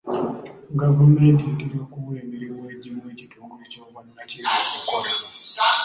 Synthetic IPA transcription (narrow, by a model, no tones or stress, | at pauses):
ɡavumeːntietiɾiokuβweːmiɾimweɟimuwe̞ːcitʰuːŋɡoecoːɡannaciɾaokoɾa